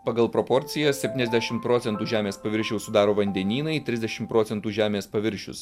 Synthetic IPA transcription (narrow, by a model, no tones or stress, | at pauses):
pɐɡɐlˠpɾopɔɾʲt̪sʲɪjɛsʲɛpʲt̪ʲiːnʲɛzʲd̪ʲæʃʲɪmtpɾoːt̪ʲɛnt̪uːʒʲæːmʲeːspɐʋʲɪɾʲʃʲɛʊsʊd̪ɑːɾoːʋɐnʲd̪ʲɛnʲiːnɐɪt̪ʲɾʲɪzʲd̪ʲɛʃʲɪmpɾoːt̪sʲɛnt̪uːʒʲæːmʲeːspɐʋʲɪɾʲʃʲʊ̰s